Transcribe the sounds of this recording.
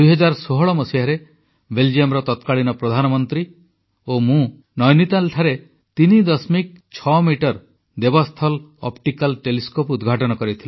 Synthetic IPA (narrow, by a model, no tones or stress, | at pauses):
ujɦɔd͡ʒaɾsoɦɔɭɔmɔsiaɾe | beld͡ʒiɔmɾɔt̪ɔt̪kaɭinɔpɾɔd̪ʱanɔmɔnt̪ɾi | omũ | nɔjnit̪alʈʰaɾe | t̪inid̪ɔsmik̚t͡ʃʰɔmiʈɔɾ | d̪ebɔst̪ʰɔlɔ̰pʈikalʈeliskopud̪ɡʱaʈɔnɔkɔɾit̪ʰili